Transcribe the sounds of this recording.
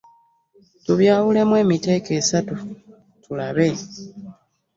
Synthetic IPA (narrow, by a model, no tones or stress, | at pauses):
tuβjaːwule̞mwe̞ːmite̞ːke̞ːsatu | tulaβe̞